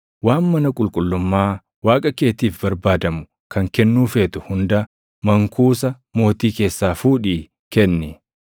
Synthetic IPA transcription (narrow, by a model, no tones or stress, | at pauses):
waːnːɐnɐkʼʊlkʼʊlːʊmːaː | waːkʼɐke̞ːt̪iːfbɐɾbaːd̪ɐmʊ̥ | kʰɐŋkɛnːuːfe̞ːt̪ʊhʊnd̪ɐ | mɐŋkuːsɐ | mo̞ːt̪iːke̞ːsːaːfuːᶑiː | kɛnːɪ